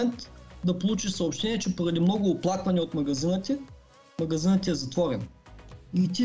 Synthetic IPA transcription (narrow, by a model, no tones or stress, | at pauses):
ɛnt̪d̪ɐpolˠut͡ʃiʃsɐopʃt̪ɛniɛt͡ʃɛpoɾɐd̪imnɔɡʊːplˠakvɐnɛot̪mɐɡɐzinət̪ʲɛ | mɐɡɐzinət̪ʲɛɛzɐt̪vɔɾɛ̰n | it̪i